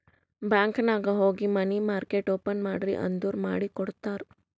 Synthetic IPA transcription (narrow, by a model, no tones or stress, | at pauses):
bɛ̃ːŋknaːɡaɦoːɡimanimaːɾkeːʈoːpənmaːɖɾḭʔɐ̰̃nd̪uɾmaːɽikʊɽt̪aːɾ